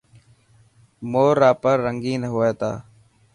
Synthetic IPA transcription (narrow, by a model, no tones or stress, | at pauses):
moːɾaːpəɾːəŋɡiːnəɦoːeːt̪a̰ː